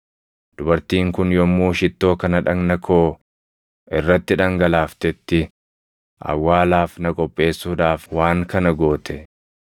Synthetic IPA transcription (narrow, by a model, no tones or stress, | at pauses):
d̪̥ʊbɐɾt̪iːŋkʊnjɔmːuːʃɪt̪ːo̞ːkɐnɐᶑɐŋnɐkʰo̞ː | ʔɪrːɐt̪ːɪᶑɐŋɡɐlaːft̪ɛt̪ːɪ | ʔɐ̰wːaːlaːfnɐkʼɔpʼːe̞ːsːuːᶑaːfwaːŋkɐnɐɡo̞ːt̪ʰɛ